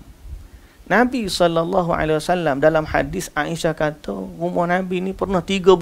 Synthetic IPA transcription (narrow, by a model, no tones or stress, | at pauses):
nabisɔlːalˤːɑɦua̰lawasalːamdalamha̰dɪsaʔiʃakat̪oumɔhnabinipərnaht̪iɡəb